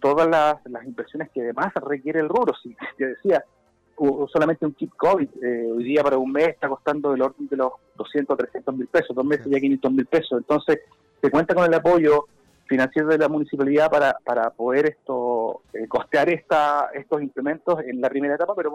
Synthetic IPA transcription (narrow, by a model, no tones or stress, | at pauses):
t̪o̞ðalaslasimbeɾsjonekeaðemasrekje̞ɾeːlruɾosii̥t̪eðesia | uso̞lament̪euŋkip̪̚koβiðeojðiapaɾaunmeseht̪akost̪and̪oelo̞ɾðend̪elo̞sðd̪osjet̪ot̪ɾesjent̪omilpe̞soðomeseʝak̬injent̪ozmilpe̞sosent̪o̞nses | sekwe̞nt̪akonelapo̞jo | finansjeɾoðelamunisipaliðapaɾapaɾapo̞ðe̞ɾeht̪oeko̞t̪eaɾeht̪aeht̪osimpleme̞nt̪o̞senlapɾime̞ɾaet̪apapeɾo